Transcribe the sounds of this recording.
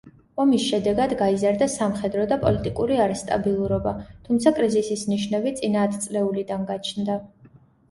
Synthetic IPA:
ɔmisʃɛd̪ɛɡad̪ɡaizaɾd̪asamχɛd̪ɾɔd̪apʼɔlit̪ʼikʼuɾiaɾɛst̪ʼa̰bilˠuɾɔbat̪ʰumt̪sʰakʼɾizisisniʃnɛbit̪sʼinaːt̪ʰt̪sʼlɛulid̪anɡat͡ʃʰnd̪a

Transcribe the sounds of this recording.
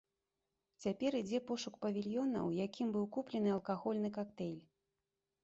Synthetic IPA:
t͡sʲapʲɛɾid͡zʲɛpɔʂukpɐvʲilʲjɔnɐ̰wjakʲimbɨwkuplʲɛnɨɐlˠkaɣɔlʲn̪ɨkakt̪ɛlʲ

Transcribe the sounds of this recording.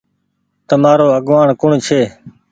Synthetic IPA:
t̪əmaːɾoːəɠʋaːɳkʊɳt͡ʃʰeː

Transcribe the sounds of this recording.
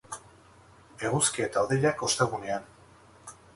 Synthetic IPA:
e̞ɣuskie̞t̪aoðeʎako̞st̪e̞ɣune̞an

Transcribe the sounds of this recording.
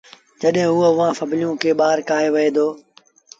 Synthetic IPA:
d͡ʒəɗɦɪ̃ːɦʊoʊʋãːfəblɪjũːkʰeːɓaːɾkaːɦeːʋɪeːd̪oː

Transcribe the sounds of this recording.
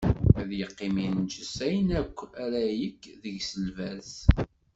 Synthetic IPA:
æðjəqːɪmint͡ʃəsæjnækʷːæɾæjəkːðəʝsəlvæz

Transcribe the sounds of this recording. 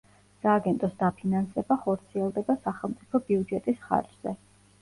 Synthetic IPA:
saːɡɛnt̪ʼɔsd̪apʰinansɛbaχɔɾt̪sʰiɛlˠd̪ɛbasaχɛlˠmt̪sʼipʰɔbiud͡ʒɛt̪ʼisχa̰ɾd͡ʒz̥ɛ

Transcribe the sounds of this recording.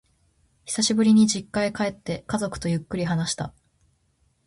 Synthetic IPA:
çʲi̥saɕibɯ̟ɾʲiɲ̟id͡ʑikːaekae̞t̪ːe̞kazo̞kɯ̟̥t̪o̞jɯ̟kːɯ̟ɾʲiɦanaɕi̥t̪a̰

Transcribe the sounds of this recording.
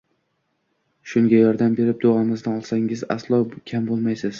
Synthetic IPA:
ʃʊŋɡʲajɒɾd̪ambe̞ɾɪp̚d̪oamɪznɪɒlˠsaŋɪza̰slˠɒkʲʰambolˠmajsɪz̥

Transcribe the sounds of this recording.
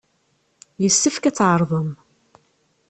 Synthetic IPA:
jəsːəfkæt͡sːʕəɾˤðˤəm

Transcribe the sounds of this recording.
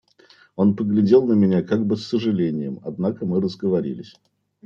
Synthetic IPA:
o̞npəɡlʲɪdʲe̞lˠnəmʲɪnʲakaɡ̚bɨsːəʐɨlʲenʲɪjɪ̰mɐ̰d̪nakəmɨɾəzɡəvɐɾʲḭlʲɪsʲ

